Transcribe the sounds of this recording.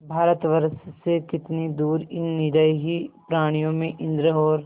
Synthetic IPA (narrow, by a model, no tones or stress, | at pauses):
bʱaːɾət̪ʋəɾssekɪt̪nid̪uːɾɪnːɪɾəjɦipɾaːɽ̃ijõmẽʔɪ̃nd̪ɾəɦɔːɾ